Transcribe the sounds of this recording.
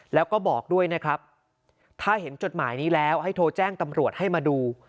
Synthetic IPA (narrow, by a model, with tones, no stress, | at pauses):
lɛː˦˥wkɔː˥˩bɔː˨˩k̚du˥˩əjna˦˥kʰɾa˦˥p̚ | t̪ʰaː˥˩ɦe˩˦nt͡ɕo˨˩t̪̚maː˩˦jniː˦˥lɛː˦˥wha˥˩jt̪ʰoː˧t͡ɕɛː˥˩ŋt̪a˧mɾu˨˩ət̪̚ha˥˩jmaː˧duː˧